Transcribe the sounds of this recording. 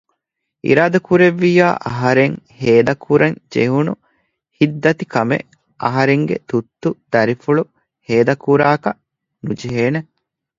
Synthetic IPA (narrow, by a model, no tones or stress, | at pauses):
ḭɾaːd̪ɐkuɾeʋːijaːʔɐɦɐɾeŋheːd̪ɐkʰuɾɐnd͡ʒḛɦunṵ | hid̪ːɐt̪ikɐmḛ | ʔɐɦɐɾeŋɡḛt̪ut̪ːud̪̥ɐɾifuɭu | heːd̪ɐkuɾaːkɐ | nud͡ʒiɦeːne